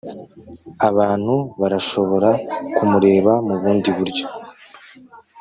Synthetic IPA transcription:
aβaːn̥huβaɾaʃo̞βo̞ɾakumuɾe̞ːβamuβuːndiβuɾɟo̞

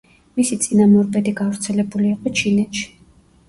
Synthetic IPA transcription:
misit̪sʼinamɔɾbɛd̪iɡavɾt̪sʰɛlɛbuliːqʼɔt͡ʃʰinɛt̪ʃi̥

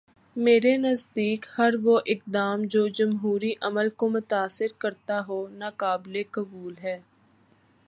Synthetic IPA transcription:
meːɾenəzd̪iːkhɐɾʋoʔɪk̚d̪aːmd͡ʒoːd͡ʒəmɦuːɾiʔəməlkomʊt̪aːsɪɾkəɾt̪aɦonakaːblekəbuːlɦɛː

